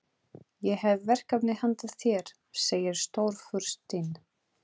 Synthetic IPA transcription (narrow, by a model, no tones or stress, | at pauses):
jɛɦɛvvɛr̥kapnɪhant̪aθjɛɾ̥ | seːjɪɾ̥st̪owɾ̥fʏɾ̥st̪ɪn